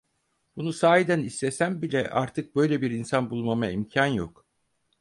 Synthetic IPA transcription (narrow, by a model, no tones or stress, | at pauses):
b̥unusaːed̪ænisːesæmbilʲɛʔa̰ɾt̪ʰɯk̚bø̞jlʲebiɾinsanbulˠmamaimcʰanjo̰k